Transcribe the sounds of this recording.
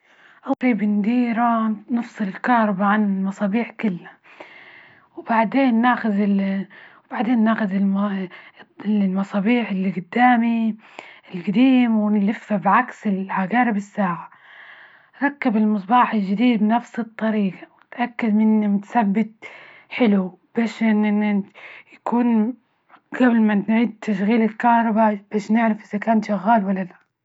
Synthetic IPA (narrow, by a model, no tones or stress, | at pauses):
ʔawfiːbɪnd̪iːɾanɨfsˤɨlɪlkɑːɾˤɑbaʕanmɑsˤɑːbiːħkɪlːa | wbaʕd̪eːnːaːxʊðɪ | wb̥aʕd̪eːnːaːxʊðɪl | llmɑsˤɑːbiːħɪlːiɡʊd̪ːaːmi | ɪlɡad̪iːmwɪnlɪfːabʕaksɪlʕaɡaːɾɪbɪsːaːʕa | ɾˤɑkːabɪlmɨsˤbɑːħɪlʒɪd̪iːd̪̚bnafsɨt̪ˤːɑɾiːqɑwɪt̪ʔakːad̪mɪnːimʊt̪sabːɪt̪̚ħɪlub̥eːʃʔɪnʔnːjakuːn | ɡ̥ablmanʕiːd̪̚t̪ʰaʃ̬ɣiːlɪlkɑhɾˤɑbab̥aːʃnɪʕɾafʔɪzakaːnʃaɣːaːlwalːala